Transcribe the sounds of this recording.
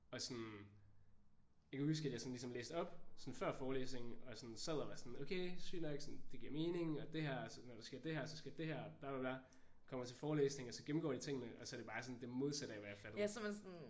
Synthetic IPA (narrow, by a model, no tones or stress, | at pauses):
ɒ̽sɔn | jaɪkæhus̬ɡ̥æd̥jɑ̈sɒ̽n̩lisɒ̽mlḛːsd̥ɒ̽b̥sɒ̽nfɶɐ̰fɒːlḛːsne̝ŋ̩ɒ̽sɔnseð̰ˠɐʋɑsɒnokʰeɪsy̰ːneɡ̥sɔnd̥e̝ɡ̥iɐme̝ːne̝ŋɒ̽d̥e̝hæɐ̰sɒ̽nɒɾ̥esɡ̥iɐ̰d̥e̝hæɐ̰sɒ̽sɡ̥æɐdd̥e̝hæɐ̰b̥læʋɑb̥læ | kʰɒ̽m̰ɐt͡sʰe̝lfɒːlḛːsne̝ŋɒ̽sɒ̽ɡ̥em̩ɡ̥ɒ̰ːd̥it͡sʰe̝ŋ̰ənəʔɒ̽sɒ̽ɐɾ̥e̝bɑ̈ːsɒ̽nd̥e̝mo̝ð̞ˠsæɾ̥ɐeʋæjɑ̰ɐfæl̥smensɔn